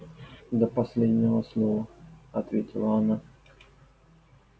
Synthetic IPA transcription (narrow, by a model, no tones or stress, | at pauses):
d̪əpɐsʲlʲedʲnʲɪvəslˠovəɐt̪vʲetʲɪlˠəɐna